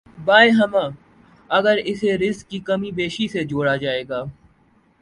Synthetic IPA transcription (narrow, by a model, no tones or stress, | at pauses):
baːeɦɐmãː | ɐɡəɾɪseɾɪskːikɐmibeːʃised͡ʒoːɽad͡ʒaːeːɡaː